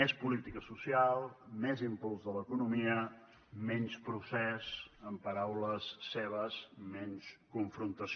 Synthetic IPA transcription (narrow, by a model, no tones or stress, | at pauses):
ɛspulit̪ikəsusialˠmɛzimpulˠzðələkunumiə | mɛnspɾusɛzəmpəɾawləsːeβ̞əzmɛnskuɱfɾunt̪əs